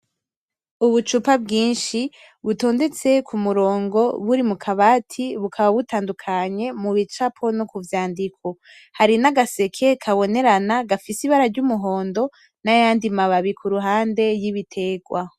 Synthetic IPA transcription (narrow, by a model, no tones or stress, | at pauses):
uβut͡ʃupabɡiːnʃi | βuto̞ːnde̞t͡se̞kʰumuɾo̞ːŋɡo̞βuɾimukʰaβaːtʰiβukʰaβaβutaːndukʰaɲe̞muβit͡ʃapʰo̞nokuvjaːndikʰo̞ | haɾinaɡase̞kʰe̞kʰaβo̞ne̞ɾanaɡafisiβaɾaɾɟumuɦo̞ːndo̞ | najaːndimaβaβikʰuɾuɦaːnde̞jiβitʰe̞ɡwa